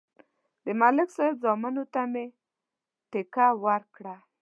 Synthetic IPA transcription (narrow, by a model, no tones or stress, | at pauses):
d̪əmalɪksɑjed̪zɑmanot̪ame | t̪ɪkawaɾkɽa